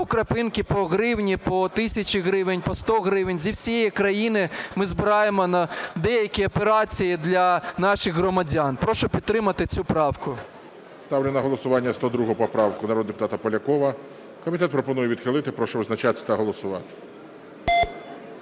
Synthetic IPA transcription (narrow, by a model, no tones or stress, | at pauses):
ɔkɾɐpɪnkʲɪpɔɣɾɪwnʲipɔt̪ɪsʲɐt͡ʃʲiɦɾɪʋenʲpɔst̪ɔɣɾɪʋenʲzʲiwsʲijɛjikɾɐjinɪmɪzbɪɾɑjemɔnɐd̪ɛjɐkʲiɔpeɾɑt͡sʲijid̪lʲɐnɑʃɪɣɦɾɔmɐdʲɑnpɾɔʃɔpʲid̪t̪ːɾɪmɐt̪ɪt͡sʲupɾɑwkʊ | st̪ɑwlʲɐnɐɦɔlˠɔsʊʋɑnʲːɐst̪ɔd̪ɾuɦʊpɔpɾɑwkʊnɐɾɔd̪d̪epʊ̥t̪ɑt̪ɐpɔlʲɐkɔʋɐ | kɔmʲit̪ɛt̪̚pɾɔpɔnujɛʋʲid̪xɪlˠɪt̪ɪpɾɔʃɔʋɪznɐt͡ʃat̪sʲɐ̥t̪ɐɦɔlˠɔsʊʋɑ̰t̪ɪ̥